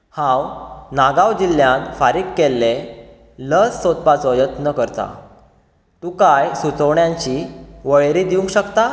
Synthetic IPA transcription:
hãwnaɡawd͡ʑilːjanfaɾikkːelːe | ləsːod̪̚pat͡sɔjət̪nəkəɾt̪a̰ | t̪ukajsut͡səʋɳjãɲt͡ɕiːʋəɭɾid̪iũŋkɕəkt̪a

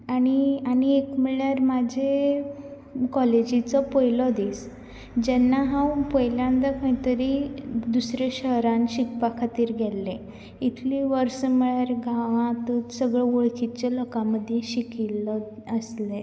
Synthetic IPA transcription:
aɽ̃ianiekmiɭjaɾmad͡ʑʱe | kɔled͡ʑit͡sɔpəjlɔd̪is | d͡ʑɛnːaɦãwpəjljãnd̪akʰəĩt̪əɾid̪usɾeɕəɦɾãnɕikpakʰat̪iːɾɡʱɛlːẽ | it̪ʰliʋəɾsəməɭjaɾɡaʋãt̪ut̪səɡɭeʋoɭkit͡ɕalɔkaməd̪ʱjeɕikilːɔəsle

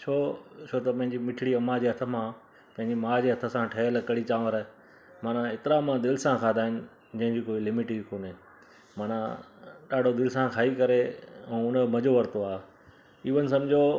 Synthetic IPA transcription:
t͡ɕʰoːt͡ɕʰoːt̪ɐpɐ̃ɦɪ̃ɲd͡ʑimɪʈʰɽiɐmːãd͡ʑeːɦɐt̪ʰə̆mã | pɐ̃ɦɪ̃ɲd͡ʑimaːd͡ʑeːɦɐt̪ʰə̆sãʈʰɐəlkɐɽit͡ɕaːʋəɾ | maːnãet̪ɪɾaɐmãd̪ɪlɪsãkʰãːd̪aːɪnɪ̆ | d͡ʑɐ̃ɦɪ̃d͡ʑiːkoːilɪmɪʈɪɡkoːneː | maːnãɗaːɖʱod̪ɪlɪsãkʰaːikɐɾeɛ̃ːʊnə̆mɐd͡ʑoʋɐɾt̪oaː | iʋənɪ̆sɐ̃md͡ʑʱo

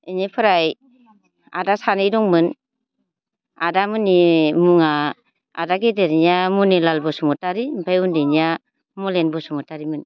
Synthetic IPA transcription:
eɲepʰɯɾaj | a̰dasanɯjdɔŋmɯn | adamɯnimuŋa | a̰daɡedeɾiɲjamunelalbɔsɔmɔtaɾimbʰajundinija | mɔlenbɔsɔmɔtaɾimɯn

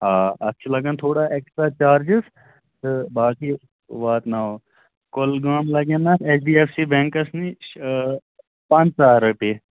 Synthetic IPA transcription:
ɦaːɐtːʃʰelɐɡəːnt̪ʰoːɽaʔeːksʈɾaːt͡ʃaːɾd͡ʒɪs | tɨbaːki | ʋaːt̪naɦoː | kolɡaːmlɐɡeːnaseːsɖiːeːpʰsibɛ̃ŋkɐsni | pãnt͡ʃsaːɾɐpeː

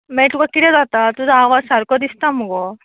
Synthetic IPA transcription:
mɛʈukakiʈɛd͡zat̪at̪ud͡zaːʋad͡zsaɾkɔd̪ist̪amɔɡɔ

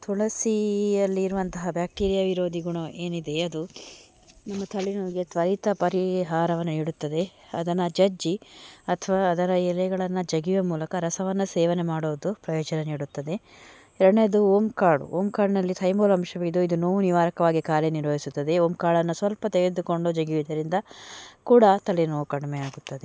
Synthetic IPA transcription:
t̪ʰuɭɐsiɐlːiːɾuʋɐnt̪ɐɦɐbjaːk̚ʈiːɾijɐʋiɾoːd̪ʱiɡuɳoʔeːnid̪e̞ɐd̪u | nɐmːɐt̪ʰɐɭinuɡet̪ʋɐɾit̪ɐpɐɾiɦaːɾɐʋɐnːɐniːɽut̪ːɐd̪e̞ɐ̰d̪ɐnɐd͡ʒɐd͡ʒiɐt̪ʰɐʋaːd̪ɐɾɐɛlɛɡɐɭɐnːɐd͡ʒɐɡiʋɐmuːlɐkɐɾɐsɐʋɐnːɐseːʋɐnemaːɽoːd̪upɾɐjɔːd͡ʒɐnɐniːɽut̪ːɐd̪e̞ | ɛɾɐɽneɐd̪uoːmkaːɽṵoːmkaːɖnɐlːit̪ʰɐjmoːlɐmʂɐʋid̪uid̪unoːʋuniʋaːɾɐkɐʋaːɡikaːɾeniɾʋɐɦisut̪ːɐd̪eoːmkaːɭɐnːusʋɐlpɐt̪eɡd̪uko̞ɳɖod͡ʒɐɡiʋid̪ɐɾind̪ɐkuːɽɐt̪ɐlinoːʋukɐɽɐmejaːɡut̪ːɐd̪e

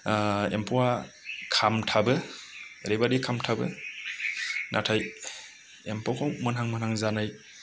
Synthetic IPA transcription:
ḛmpʰowa | kʰamtʰabɯḛɾibadikʰamtʰabɯ̰ | nʔatʰaj | empʰokʰɔwmɯnɦaŋmɯnhaŋzanaj

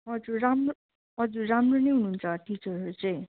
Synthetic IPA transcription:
ʌd͡zuramro | ʌd͡zuramronejɦunuːnt͡sʰʌʈit͡sʌɾot͡sʌ̃ĩ

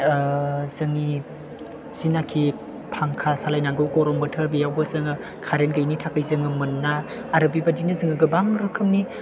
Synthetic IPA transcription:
zɯŋi | z̥inakʰi | pʰaŋkʰasalajnaŋɡɯwkɔɾɔmbɯtʰəɾbijawbɐzɯŋɯ | kʰaɾenɡɯjnitʰakʰɯjzɯŋɯmɯnːaː | ɾɯbibadinazɯŋɯɡɯbaŋɾɯkʰɯmni

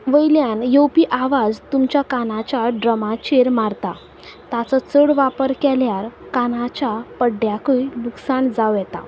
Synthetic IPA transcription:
ʋəjljanjowpiːʔaʋad͡zt̪umt͡ɕjakanat͡ɕaɖɾəmat͡ɕeɾmaɾt̪a | t̪at͡sɔt͡səɽʋapəɾkɛljaɾkanat͡ɕapəɖjakəjluksand͡zawjɛt̪a̰

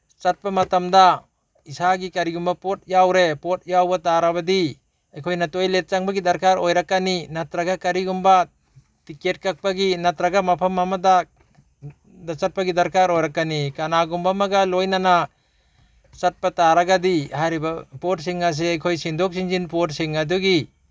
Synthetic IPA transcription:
t͡ʃat̚pamɐtamda | isaɡikaɾiɡumbapot̚jawɾepot̚jawbataɾabɐdi | ajkʰojnatojlet̚t͡ʃaŋbaɡidɐɾkaɾojɾakːaninatɾaɡakaɾiɡumba | tiket̚kak̚baɡinatɾaɡamapʰɐmːamada | dat͡ʃat̚paɡidaɾkaɾojɾakːanikanaɡumbamaɡalojnana | t͡ʃat̚pataɾaɡadihajɾibapot̚s̬iŋas̬eajkʰojsindɔk̚siŋzinpot̚siŋaduɡi

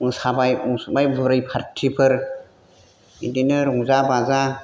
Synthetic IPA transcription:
ɯŋsabajuŋsbajbɯɾɯjpʰaɾtʰipʰɯɾ | idinɯɾuŋzabaza

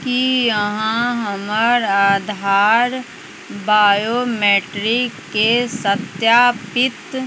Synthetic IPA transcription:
kijəɦãɦəməɾaːd̪ʱaːɾ | baːjomeːʈɾɪkːesət̪jaːpɪt̪

